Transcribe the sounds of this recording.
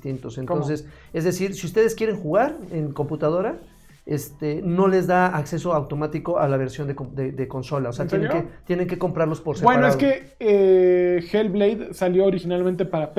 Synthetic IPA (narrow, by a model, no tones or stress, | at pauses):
t̪int̪o̞sent̪o̞nse̞s | e̞zðe̞siɾsiust̪e̞ðeskje̞ɾe̞ŋxuɣaɾe̞ŋko̞mput̪að̞o̞ɾa | est̪eno̞le̞zd̪aakse̞so̞awt̪o̞mat̪iko̞ʔalaβ̞e̞ɾsjo̞nd̪ekod̪ed̪eko̞nso̞laoseat̪jeneket̪je̞ne̞ŋke̞ko̞mpɾaɾlo̞spo̞ɾsebweaɾnoeaðke | exelblejd̪saljo̞ːɾixinalmẽnt̪epaɾap